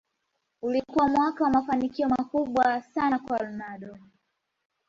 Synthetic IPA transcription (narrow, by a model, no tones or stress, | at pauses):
ulikuwamwakawamafanikiɔmakuɓwasanakwalmaɗɔ